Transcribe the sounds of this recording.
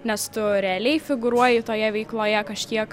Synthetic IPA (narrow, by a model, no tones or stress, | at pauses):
nʲɛst̪ʊɾʲɛːlʲɛɪfʲɪɡʊɾuɔjɪt̪oːjɛʋʲɛɪklˠoːjɛkɐʃʲkʲiɛk